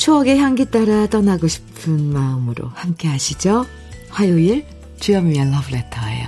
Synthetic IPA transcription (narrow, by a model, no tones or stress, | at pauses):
t͡ɕʰoʌɡeçjaŋɡit͈aɾat͈ʌnaɡoɕʰi̥pʰɯnmaɯmɯɾo̰hamk͈e̞ɦaɕʰid͡ʑo | ɸwajoiɭ | t͡ɕujʌmiaɭːʌbɯletʰʌḛjo̰